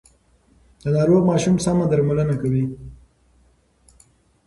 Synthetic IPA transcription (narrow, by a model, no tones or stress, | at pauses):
d̪̥ənɑɾoɡmɑʃumsamad̪aɾmalənakawi